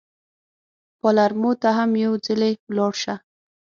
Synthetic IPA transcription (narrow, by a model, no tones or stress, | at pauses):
pɔlaɾmot̪aɦamjawd͡zɪlewlɑɽʃa